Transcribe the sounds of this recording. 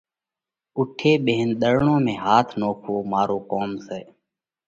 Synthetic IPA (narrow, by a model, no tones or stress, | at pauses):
ʊʈʰːeːɓẽːnɗ̪əɾɳõːmẽːɦaːt̪ʰnoːkʰʋoːmaːɾoːkoːmseː